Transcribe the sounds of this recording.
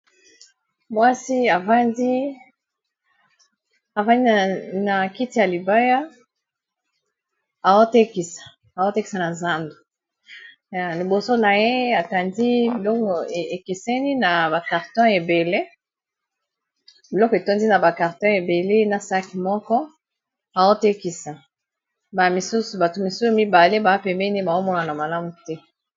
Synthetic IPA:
mwa˦si˦a˨va˦ndi˦ | a˨va˦ndi˦na˨ki˦ti˨ja˨li˨ba˦ja˦ | a˨wo˦te˦ki˨sḁ˨ | a˨wo˦te˦ki̥˨sa˨na˨za˦ndo̥˨ | ja˨li˨bo˨so˦na˨je˦a˨ta˨ndi˦bi˨lɔ˦kɔ˨e˨e˨ke˨sɛ˦ni˦na˨ba˨ka˨ʁtɔ̃˦e˨be˨le˦ | bi˨lɔ˦kɔ˨e˨to˦ndi˦na˨ba˨ka˨ʁtɔ̃˦e˨be˨le˦na˨sa˦ki˨mɔ˦kɔ˦ | a˨wo˦te˦ki˨sa˨ | ba˨mi˨su˦su˨ba˨to˨mi˨su˦su˦mi˦ba˨le˦ba˨˦pɛ˨mbɛ˦ni˦ba˨o˦mɔ˦na˨na˨ma˨la˦mu˨tɛ˦

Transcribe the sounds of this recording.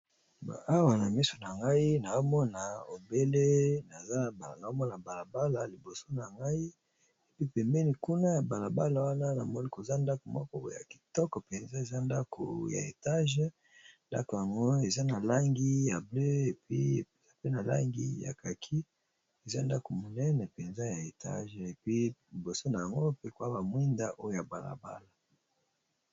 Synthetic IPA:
ba̰˨a˦wa˨na˨mi˦so˨na˨ŋɡa˦i˦na˨zo˦mɔ˦na˨o˨be˦le˦na˨za˦˨ba˨na˨o˦mɔ˦na˨ba˨la˨ba˦la˨li˨bo˨so˦na˨ŋɡa˦i˦ | e˨pi˦pɛ˨mbɛ˦ni˨ku˦na˦ja˨ba˨la˨ba˦la˨wa˦na˦na˨mɔ˦ni˦ko˨za˦nda˦ko˨mɔ˦kɔ˦bo̰˨˦˨ja̰˨ki̥˨tɔ˦kɔ˨pɛ˨nza˦e˨za˦nda˦kʰo̰˨ja̰˨ḛ˨ta˦ʒ | nda̰˦ko˨ja˨ŋɡo˦e˨za˦na˨la˦ŋɡi˦ja˨blø˦e˨pi˦˨za˦pe˦na˨la̰˦ŋɡi˦ja̰˨ka˨kʰi˦ | e˨za˦nda˦ko˨mo˨nɛ˦nɛ˨pe˨nza˦ja˨e˨ta̰˦ʒe˨pi˦i˨bo˨so˦na˨ja˨ŋɡo˦pe˦ko˨a˦ba˨mwi˦nda˦ʔo˦jo˦ja˨ba˨la̰˨ba̰˦la˨

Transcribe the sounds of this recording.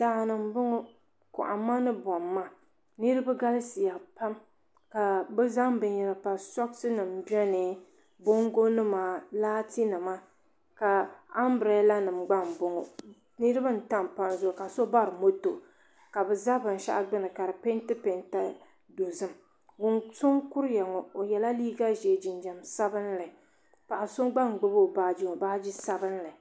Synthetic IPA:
daː˨nɨ˨mbʊ˦ŋo˦ | kʊ̰˨ʔa̰˨ma˦nɨ˦bɔ˨mːa˦˨ | nɨ˦ɾɨ˦ba˦ɡa˦lɨ˦si˨ja˨pa˦m | ka˨bɨ˦za˦mbɨ˨ɲɛ˨ɾɨ˨pa˨sɔ˦ksɨ˦nɨ˨mbɛ˦nɨ˨ | bo˦ŋɡo˦nɨ˦maː˨˦laː˦ti˦nɨ˨ma˦ | ka˨a˦mbɾe˨˦la˦nɨ˨mɡ͡ba˦m˨bʊ˦ŋɔ˨ | nɨ˦ɾɨ˦bɨ˦n̩˨ta˦˨m˨pa˦nzʊ˦˨ka˨so˦ba˦ɾɨ˨mo˦to˨ | ka˨bɛ˨za˦bɨ˨n˨ʃa̰˦ʔɡ͡bɨ˦nɨ˨ka˨ɾɨ˨pe˦ntɨ˦pe˨nta˦ | do˨zɨ˦m | ɡʊ˦ŋso˦ŋku˦ɾjɛ˨ŋɔ˨o˨jɛ˨la˦liː˦ɡa˦ʒe˨d͡ʒi˨nd͡ʒa˨msa˦bɨ˦nlɨ˨ | pa˨ʔa˨so˦ɡ͡ba˦˨ŋ˨ɡ͡bʊ˦bo˦˨baː˦d͡ʒi˦ŋɔ˨baː˦d͡ʒi˦sa˦bɨ˦n˦lɨ˨

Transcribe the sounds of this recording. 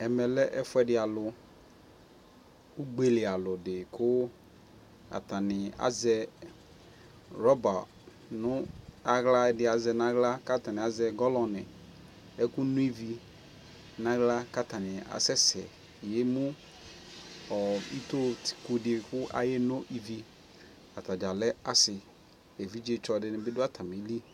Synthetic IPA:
ɛ˨mɛ˨lɛ˦ʔɛ˦fʊ˦ɛ˨dɪ˨a˨lʊ˨ | u˦ɡ͡be˨lɪ˨a˨lʊ˨dɪ˨kʰʊ˦ | a̰˨ta˨nɪ˨a̰˨zɛ˦ | ɾɔ˦ba˨ | nʊ̃˦a˨ɣla˦dɪ˨˦a˨zɛ˨nã˦ɣla˦ka˦ta˨nɪ̃˨a˨zɛ˨ɡɔ˦lɔ̃˨nɪ˨ | ɛ˦kʊ˦nũ˦i˦vi˨ | nã˦ɡla˦ka˦tʰa˨nɪ̃˨a̰˨sɛ˦sɛ̰˨ | je˦mũ˦ | ɔ˨ḭ˦to˦ti̥˨ku˨dkʊ˦ʔa̰˨jɛ˦nʊ̃˦ʔi˦vi˦ | a˨tʰa˨d͡ʒa˨lɛ˦a˦sɪ˨ | e˨vi˦d͡ʒe˦t͡ʃɔ˨dɪ˦nɪ̃˨bɪ˦dʊ˦a˦tʰa˨mi˨˦li˦

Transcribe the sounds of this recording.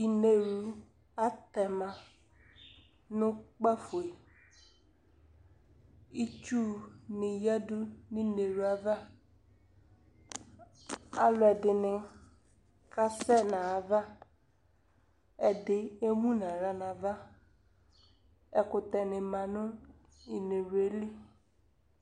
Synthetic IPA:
i˨ne˨ɾu˨ | a˦t̪ɛ˨mã˨ | nʊ̃˦k͡pa˦fu˨e˨ | i˦t͡ʃu˦nɪ̃˨ja˦dʊ˦nɪ̃˦ne˨ɾu˨a˨va˦ | a˦lʊ˨ɛ˨dɪ˨nɪ̃˨ | ka˦sɛ˦nã˨a˨va˦ | ɛ˨dɪ˨e˦mũ˦nã˨ɾa˨nã˨va˦ | ɛ˨kʊ˨t̪ɛ˨nɪ̃˨mã˨nʊ̃˦ | i˨ne˨ɾe˨lɪ˦

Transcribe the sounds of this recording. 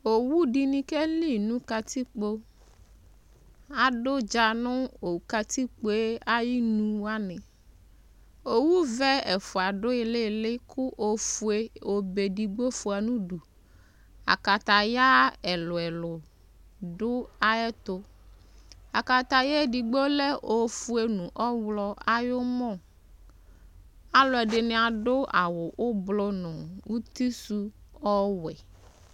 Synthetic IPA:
o˨wu˦ɖi˨nĩ˦ke˦li˦nũ˦ka˦t̪i˦k͡po˦ | a˨ɖo˦d͡ʒa˨nʊ̃˦o˨ka˦t̪i˦k͡po˦e˦a˦ji˦nũ˦a˦nɪ̃˨ | o˨wu˦vɛ˦ɛ˨fʊ˨a˨ɖʊ˦e˨le˦lɪ˦kʰʊ˦ʔo˨fu˨e˦o˨be˨ɖi˨ɡ͡bo˦fu˨a˨nũ˦ɖu˨ | a̰˨ka˨t̪a˨ja˦ɛ˨lo˨ɛ˨lo˨ | ɖo˦a˨ɛ˦t̪o˦ | a˨ka˨t̪a˨je˦ɖi˨ɡ͡bo˦le˦o˨fu˦e˦nũ˨ʔɔ˦wlɔ˦a˨jo˦mɔ̃˦˨ | a˨lo˨ɛ˨ɖe˨nẽ˨˦a˨ɖo˦ʔa˨wo˨ʔo˦blo˦nɔ̃˨wu˦t̪i˦su˦ɔ˦wɛ˨

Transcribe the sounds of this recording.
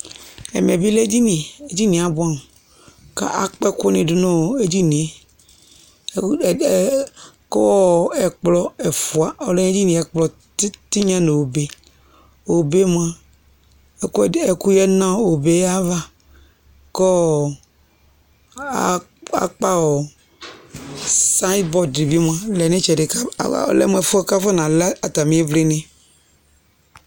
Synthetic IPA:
ḛ˨mẽ˨bi˦le˦d͡ʒi˦nĩ˨e˦d͡ʒi˦nĩ˨a˨bo˦a˦m˨ | ka̰˦ʔa̰˨k͡pɛ˦ko˦nĩ˨do˦nɔ̃˦o˨e˦d͡ʒi˦nĩ˨e˦˨ | ko˦wɔ˦˨ɛ˨k͡plɔ˦e˨fu˨a˨o˨lẽ˦e˦d͡ʒi˦nĩ˨ɛ˨k͡plɔ˨˦ | t̪i˦ɲã˦nẽ˨wo˨be˨ | wo˨be˦m˦ã˦˨ | e˨ku˦jɛ˦nã˦wo˨be˦a˦va˦ | kɔ˦˨˦ | a̰˨k͡pa˦wɔ˨ | sã˦i˦d̪bɔ˦di˨bi˦m˦ã˨lɛ˨nẽ˦t͡ʃɛ˨de˨ka̰˦˨lɛ̰˦m˦ɛ˨fu˦a˦ka˦fɔ˦nã˨la˨t̪a˨mĩ˦e˦vle˦nẽ˦

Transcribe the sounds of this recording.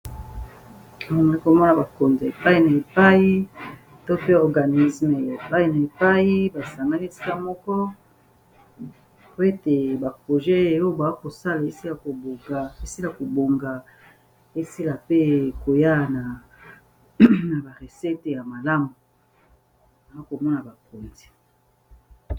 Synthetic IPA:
ma˨ŋ˨i˦ko˨mɔ˦na˨ba˨ko˨nza˨e˨pa˦i˦na˨e˨pa˦ji˦ | to˦pe˦ɔ˨ɡa˨ni˦sme˨e˨pa˦i˦na˨e˨pa˦ji˦ba˨sa˨ŋɡa˦ni˦e˦ti̥˦ka˦mɔ˦kɔ˦ | po˦e˦te˨ba˨pʁo˨ʒɛ˦e˨o˦o˦ba˨a˦ko˨sa˦la˨e˦si˦la˨ko˨bo˨ɡa˨e˦si˦la˨ko˨bo˨ŋɡa˨ | e˦si˦la˨pe˦ko˨ja˦˨na˨ | na˨ba˨ʁe˨sɛ˦te˨ja˨ma˨la˦mu˨ | a˨a˦ko˨mɔ˦na˨ba˨po˨nzi̥˨

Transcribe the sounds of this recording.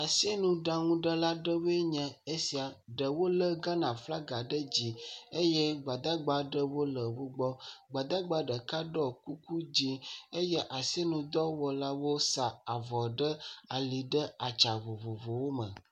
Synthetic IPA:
a˨se˦nũ˨ɖã˦ŋũ˦ɖə˦la˦ɖə˦we˦ɲə̃˨e˦si˨a˨ɖə˨wo˦lə˦ɡa˦nã˨fla˦ɡa˨ɖə˦d͡ʑi˨e˦jɛ˦ɡ͡ba˨d̪a˦ɡ͡ba˨ɖə˦wo˦lə˨wo˦ɡ͡bɔ˦ɡ͡ba˨d̪a˦ɡ͡ba˦ɖə˨ka˦ɖɔ˦ku˦ku˦d͡ʑi˦e˦jɛ˦ʔa˨si˦e˦nũ˨d̪ɔ˦wɔ˨la˦wo˦sa˨a˨vɔ˨ɖə˦a˨li˨ɖə˦a˨t͡ʃa˨vo˨vo˨vo˨wo˦mə̰̃˨

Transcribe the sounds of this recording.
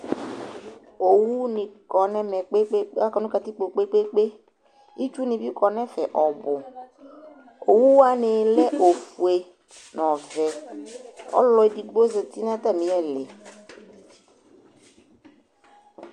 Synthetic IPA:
o˨wu˦nĩ˨kɔ˨nɛ̃˦mɛ̃˨k͡pe˦k͡pe˦k͡pa˦kɔ˨˦nũ˦ka˨t̪i˦k͡po˨k͡pe˦k͡pe˦k͡pe˦ | i˦t͡ʃu˦nĩ˨bi˦kɔ˨nɛ̃˦fɛ˨ʔɔ˨bʊ˨ | o˨wu˦wa˦ne˨lɛ˦ʔo˨fu˨e˨ | nɔ̃˨vɛ˨ | ɔ̰˦lɔ˨i˦˨di˨ɡ͡bo˦ze˨t̪i˦nã˦t̪a˦˨mĩ˨˦ɛ˦le˨

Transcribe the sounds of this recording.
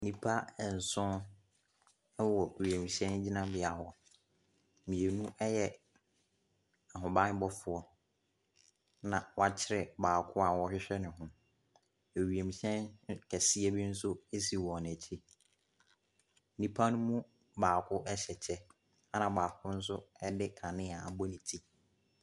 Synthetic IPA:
nĩ˦pʰa˦˨n̩˨sʊ̃˦ | wɔ˨ɥi˨e˨mĩ˨ɕɛ̃˦n˦d͡ʑi˦nã˦bɪ˨a˨wɔ˨ | mĩ˨e˨nũ˦ʔɛ˦jɛ˨ | a˨ɦʊ̃˨bã˦bɔ˦fʊ˨ɔ˦ | nã˨wa˨t͡ɕʰɪ˦ɾɛ˨baː˨kʰʊ˦a˨wɔ˦ɕᶣɪ˦ɕᶣɛ˦nɪ̃˨ɦʊ̃˦ | e˨ɥi˨e˨mĩ˨ɕɛ̃˦n˦kʰɛ˨sɪ˦ɛ˦bi˦n̩˦s̬ʊ˦e˦s̬i˨wɔ˨n˨æ˨t͡ɕʰi˦ | nĩ˦pʰa˦nʊ̃˦mũ˦ | baː˨kʰʊ˦ʔɛ˦ɕɛ˨t͡ɕʰɛ˦ | a˦nã˨baː˨kʰʊ˦n̩˦s̬ʊ˦ɛ˦dɪ˦kʰa˨nɪ̃˦a˨a˨bɔ˦nĩ˨tʰi˦

